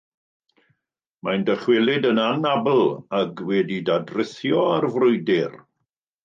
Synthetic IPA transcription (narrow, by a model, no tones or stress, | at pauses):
majndəχwɪlˠɪdənanabl̩ˠaɡwɛdidadrɪθjɔarvrʊjdɪr